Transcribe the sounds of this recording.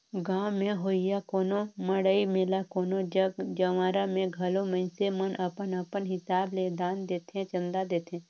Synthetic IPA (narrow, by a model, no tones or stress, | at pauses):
ɡãːwmẽɦoːijakoːnoməɽəimeːlakoːnod͡ʒəɡd͡ʒəʋaːɾamẽɡʱɐlomə̃ɪnsemənʔəpənəpənɦɪsaːbled̪aːnd̪eːt̪ʰẽt͡ʃə̃nd̪ad̪eːt̪ʰẽː